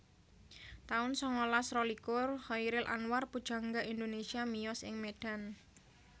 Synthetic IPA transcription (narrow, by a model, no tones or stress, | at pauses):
t̪aʊnsɔŋolasrɔlikʊrhɔiɾɪlʔa̰nwarpud̥ʒ̥a̤ŋɡaʔind̪onesiamijɔsɪ̰ŋmeɖ̥a̤n